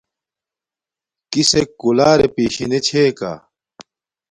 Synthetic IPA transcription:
kisekːulaːɾepiːɕinet͡ɕʰeːka̰

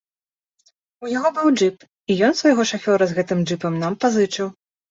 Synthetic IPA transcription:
ujaɣɔbɨwd͡ʐɨp | ijɔnsvajɣɔʂafʲɔɾɐzɣɛt̪ɨmd͡ʐɨpɐmnampazɨt͡ʂɨw

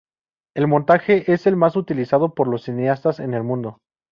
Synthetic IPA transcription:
e̞lmont̪axe̞ʔese̞lmasut̪ilisaðo̞po̞ɾlo̞sːineast̪ase̞̰ne̞lmũnd̪o̞

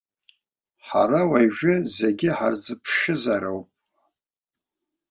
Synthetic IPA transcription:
ħa̰ɾawajʒᶣɪzeɡʲɪħard͡zɨpʰʂɨzaɾowpʼ

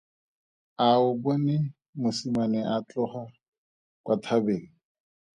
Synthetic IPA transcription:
aʊbɔnɪ | mʊsimanɛʔat͡ɬɔχa | kwatʰabeːŋ̩

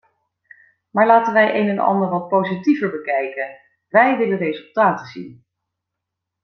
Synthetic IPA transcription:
maːɹlaːtənʋɛjʔejnɛnʔɑ̰ndəɹʋɑt̚powzitivəɹbəkɛjkən | ʋɛjʋɪlənrezɵlˠtaːtəzḭn

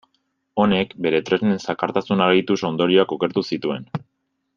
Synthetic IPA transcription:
o̞ne̞kbe̞ɾe̞t̪ɾe̞znensakaɾt̪asunaɾɣit̪uso̞nd̪o̞ɾio̞ako̞ke̞ɾt̪usit̪ue̞n

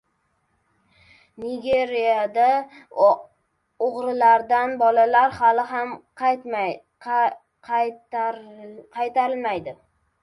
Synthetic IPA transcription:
nɪɡʲe̞ɾijad̪a | oʁɾɪlaɾd̪anbɒlalaɾhalɪɦamq̪ʰ | qʰɑjt̪ʰaɾɪlmajd̪ɪ

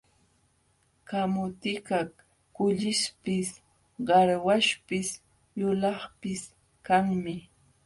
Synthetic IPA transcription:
kamʊt̪ɪkak | kʊʎɪʃpɪs | ɢɑɾwaʃpɪs | jʊlɑχpɪs | kaŋmɪ

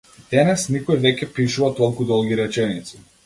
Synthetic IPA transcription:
d̪̥ɛnɛsnikɔjvɛcʲɛpiʃuvat̪ɔlˠkud̪ɔlˠɡʲiɾɛt͡ʃɛnit̪si̥

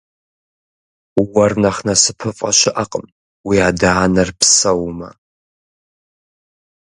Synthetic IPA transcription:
wɐrnɐχnɐsɨpʰɨfʼɐ̰ɕɪʔɐqʼəm | wiaːdaːnɐrpsɐwmɐ̰

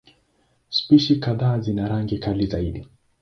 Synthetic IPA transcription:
spiʃikaðaːzinaɾaŋɡikalizaiɗi

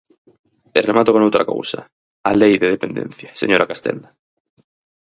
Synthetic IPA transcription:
eremat̪okõnowt̪ɾako̰wsɐ̰ | alejðeð̞epẽnd̪ḛ̃n̟θjasḛɲoɾʔakast̪ɛ̰nd̪ɐ

